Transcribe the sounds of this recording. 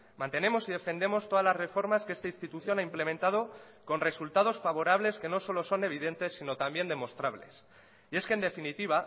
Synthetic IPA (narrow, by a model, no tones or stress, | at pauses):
mãnt̪e̞ne̞mo̞siðe̞fe̞nd̪e̞mo̞st̪o̞ðazlazre̞fo̞ɾmaske̞st̪ainst̪it̪uθjo̞naimple̞mẽnt̪að̞o̞ | ko̞nre̞sult̪að̞o̞sfaβo̞ɾaβ̞le̞ske̞no̞so̞lo̞so̞ne̞βiðe̞nt̪e̞sːino̞t̪ambje̞nd̪e̞mo̞st̪ɾaβle̞̰s | ie̞skend̪e̞finit̪iβ̞a